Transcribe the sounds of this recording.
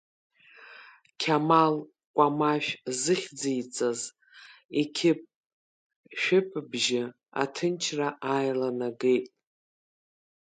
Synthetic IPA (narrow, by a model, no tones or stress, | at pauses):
kʲʰamal | kʷʼamaʃᶣzɨχʲd͡zijt͡sʼaz | ekʲʰɪp̚ʼ | ʃᶣɪpʰʼbʒɪ | a̰tʰɨnt͡ʃʰraʔajlanaɡejtʼ